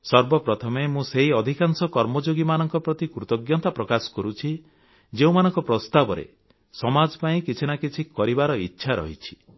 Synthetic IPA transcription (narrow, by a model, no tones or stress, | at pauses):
sɔɾbɔpɾɔt̪ʰɔmemũseɦiɔd̪ʱikansɔkɔɾmɔd͡ʒoɡimanɔŋkɔpɾɔt̪ikɾut̪ɔɡjɔt̪apɾɔkasɔ̥kɔɾut͡ʃʰi | d͡ʒeũmanɔŋkɔpɾɔst̪abɔɾḛ | sɔmad͡ʒɔpaĩkit͡ʃʰinakit͡ʃʰikɔɾibaɾɔitːʃʰaɾɔ̰ɦit͡ʃʰi̥